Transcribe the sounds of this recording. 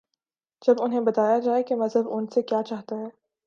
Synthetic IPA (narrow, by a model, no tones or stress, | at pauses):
d͡ʒɐbʊnɦẽbɐt̪aːjad͡ʒaːekemɐzɦəbʊnsekjaːt͡ʃaːɦt̪aɦɛː